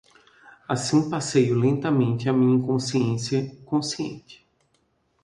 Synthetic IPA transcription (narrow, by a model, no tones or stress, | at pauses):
asĩpasejʊlẽnt̪ɐmẽnt̪ɪamĩɲiɐ̃kõsiẽsɐkõsiḛ̃nt͡ʃɪ̥